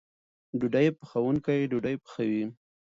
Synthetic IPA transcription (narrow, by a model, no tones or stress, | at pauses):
ɖuɖajpxawuŋkajɖuɖajpə̥xawi